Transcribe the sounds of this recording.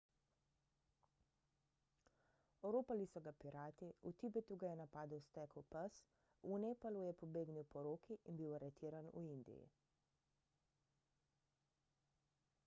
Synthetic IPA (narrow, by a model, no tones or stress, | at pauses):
ɔɾoːpalisɔɡapiɾaːt̪iut̪ibɛt̪uɡajɛnapaːd̪əwst̪ɛkwpas | uneːpalujɛpɔbeːɡniwpɔɾoːkiʔinbiwaɾɛt̪iːɾanṵind̪ḭjḭ